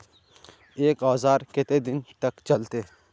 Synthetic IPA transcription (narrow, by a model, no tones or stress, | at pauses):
eːkɔːzaːɾkɪt̪ed̪ɪnt̪ɐkt͡ʃɐlt̪e